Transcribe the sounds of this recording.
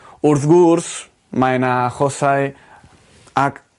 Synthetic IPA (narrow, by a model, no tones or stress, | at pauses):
uɾθɡuɾs | majnaxosaj | ak